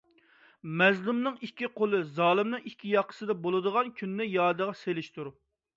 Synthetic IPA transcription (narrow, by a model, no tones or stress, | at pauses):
mɛzlumnɨŋikʲːiqʰolˠɨzɑːlˠɨmnɨŋikʲʰːijɑqʰə̥sɨd̪ɑbolˠɨd̪əʁɑnkʲʰynːɪjɑːd̪əʁɑselɪʃt̪uɾ